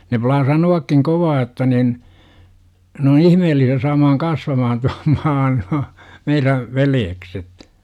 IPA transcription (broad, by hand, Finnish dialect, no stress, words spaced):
ne plɑː sɑnuɑkːiŋ koʋɑː otːɑ nin n oːn ihmeːlːisiæ sɑːmɑːŋ kɑsʋɑmɑhɑn tuɑm mɑːn nuɑ meiræʋ ʋeljekset